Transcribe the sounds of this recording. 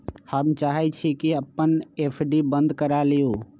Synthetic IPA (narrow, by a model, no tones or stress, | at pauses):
həmt͡ʃaːɦɛt͡ʃʰikiəpːəneːpʰɖibə̃nd̪kəɾalijuː